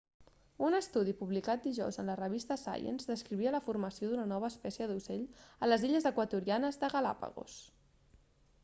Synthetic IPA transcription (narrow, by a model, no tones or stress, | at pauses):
unəst̪uð̞ipuβlikat̪̚d̪iʒɔ̰wzənlərəβ̞ist̪əsa̰jə̰nzðəskɾiβiələfurməsioðunənɔβ̞əːspɛsiəðuseʎələziʎəzəkwət̪uɾianəzðəɣəla̰pə̰ɣo̰s